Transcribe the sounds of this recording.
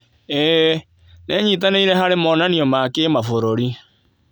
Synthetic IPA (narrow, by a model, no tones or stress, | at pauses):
ɛ | nɛɲit̬aneiɾɛhaɾemɔnaniɔmakemafoɾoɾi